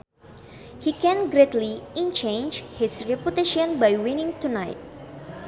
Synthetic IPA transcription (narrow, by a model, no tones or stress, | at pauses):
hikɛ̃nɡɾet̪liĩnt͡ʃẽnd͡ʒhisɹɛput̪eʃɔ̃nbajwĩnĩŋt̪unajt̚